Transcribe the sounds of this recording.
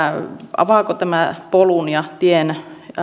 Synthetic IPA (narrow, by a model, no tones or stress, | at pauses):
ɑ̰ʋɑˑkot̪æmæpolunjɑt̪ien